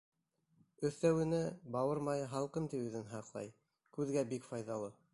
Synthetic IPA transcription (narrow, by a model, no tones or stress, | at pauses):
ɵ̆θæwɘ̆nɘbɑwɤɾmɑjɤɦɑlˠqɤmt̪ipʉðɘnɦɑqlˠɑ̰j | kʉðɡæbikfɑjðɑlˠɤ